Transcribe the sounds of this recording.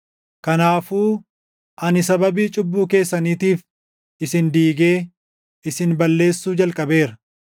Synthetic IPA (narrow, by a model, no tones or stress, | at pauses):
kɐnaːfuː | ʔɐnɪsɐbɐbiːt͡ʃʼʊbːuːke̞ːsːɐniːt̪iːf | ɪsɪnd̪iːɡe̞ː | ɪsɪnbɐlːe̞ːsːuːd͡ʒɐlkʼɐbe̞ːɾɐ